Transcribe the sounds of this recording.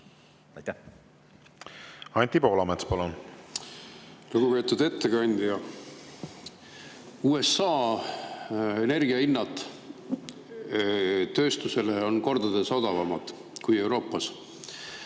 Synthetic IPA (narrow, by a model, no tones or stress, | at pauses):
jt̪ | ɑnʲt̪ʲipo̞ːlɑmet̪spɑlon | luɡ̥upe̞ːt̪ud̪e̞t̪ːe̞kɑnʲd̪̥ʲjɑ | uːe̞sːɑː | e̞ne̞rɡiɑinːɑd̪ˑ | t̪ːø̞ːst̪use̞leo̞nko̞rd̪ɑd̪eso̞d̪̥ɑvɑmɑd̪̥ | kuje̞wɾo̞ːpːˑɑs